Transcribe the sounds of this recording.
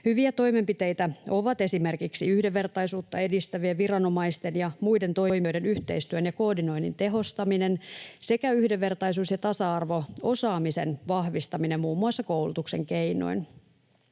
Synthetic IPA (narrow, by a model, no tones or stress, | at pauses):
hyʋiæt̪o̞jmempit̪ejt̪æʔo̞ʋɑt̪e̞simerkiksiyhdeʋːe̞rt̪ɑjsuːt̪ːɑe̞dist̪æʋieʋirɑno̞mɑist̪e̞njɑmujde̞nt̪o̞jmejde̞nyht̪e̞̰ist̪yønjɑko̞ːdino̞jnḭnt̪e̞ɦo̞st̪ɑmine̞nse̞kæyhdeʋːe̞rt̪ɑjsuːsjɑt̪ɑsɑɑrʋo̞o̞sɑːmisenʋɑhʋist̪ɑminemmuːmːuɑsːɑkowlut̪ukse̞ŋkejno̰jn